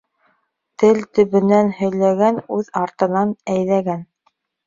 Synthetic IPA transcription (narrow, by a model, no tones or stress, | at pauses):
t̪ɘlt̪ɵ̆βɵ̆nænhɵ̆jlæɡænʉðɑɾt̪ɤ̆nɑnæjlæɡæn